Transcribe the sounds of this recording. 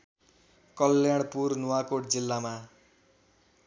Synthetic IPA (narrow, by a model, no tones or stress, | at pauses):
kʌlːjaɽ̃purnuwakoʈ̚d͡zilːama